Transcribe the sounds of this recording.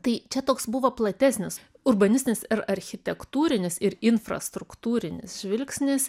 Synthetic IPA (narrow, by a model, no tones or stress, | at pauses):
t̪ɐɪt͡ʃʲɛt̪oːksbʊʋɐplˠɐt̪ʲæːsʲnʲɪs | ʊrbɐnʲɪsʲt̪ʲɪnʲɪsɪɾɐɾʲxʲɪt̪ʲɛkt̪uːɾʲɪnʲɪsɪɾɪnfɾɐ̰st̪ɾʊkt̪uːɾʲɪnʲɪ̰sʒʲʋʲɪlʲksʲnʲɪs